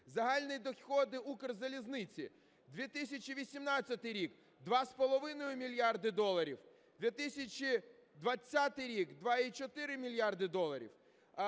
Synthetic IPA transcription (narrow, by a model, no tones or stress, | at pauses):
zɐɦɑlʲnɪjd̪ɔxʲxɔd̪ɪukɪrzɐlʲiznɪt͡sʲḭ | d̪ʋʲit̪ɪsʲɐt͡ʃiʋʲisʲimnɑt͡sʲːɐt̪ɪjɾʲik | d̪ʋɑspɔlˠɔʋɪnɔjʊmʲilʲjɑrd̪ɪd̪ɔlˠɐɾʲiw | d̪ʲʋʲit̪ɪsʲɐt͡ʃʲid̪ʋɐt͡sʲːat̪ɪjɾʲikd̪ʋɑit͡ʃɔt̪ɪɾɪmʲilʲjard̪ɪd̪ɔlˠɐɾʲḭw